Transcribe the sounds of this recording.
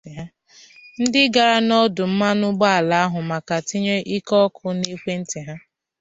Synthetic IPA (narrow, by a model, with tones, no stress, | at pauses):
ɦa˦ | n̩˦dɪ˦ɡa˨ɾa˦nɔ˦dʊ˨m̩˦ma˦nʊ˦ɡ͡ba˦a˨la˨a˦ɦʊ˨ma˨ka˨tɪ˦ɲe˦ʔi˦kɔ˦kʰʊ˦ne˦kʷe˦n̩˦tɪ˨ɦa˦